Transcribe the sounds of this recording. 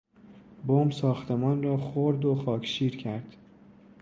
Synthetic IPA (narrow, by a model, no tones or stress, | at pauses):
bomsɒːxt̪ʰe̞mɒːnrɒːxoɾd̪oxɒːcʰʃiːɾcʰæɾd̪̥